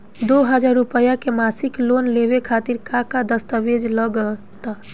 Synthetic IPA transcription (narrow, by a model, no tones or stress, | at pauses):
d̪oɦəd͡ʒaɾupəjakemasiklonleβekʰat̪iɾkakad̪əst̪əʋed͡ʒləɡə | t̪a